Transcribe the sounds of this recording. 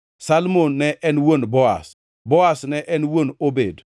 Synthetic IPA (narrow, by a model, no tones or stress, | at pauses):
salmonːɛʔɛnwonbɔa̰s | boasnɛʔɛnwonobed